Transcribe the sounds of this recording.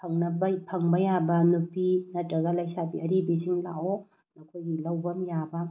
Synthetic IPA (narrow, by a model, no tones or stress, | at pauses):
pʰɐŋnɐbɐpʰɐŋbɐjabɐnupinɐtɾɐɡɐlɐjsabiɐɾibisiŋlawo | nɐkʰojɡilɐwbɐmjabɐ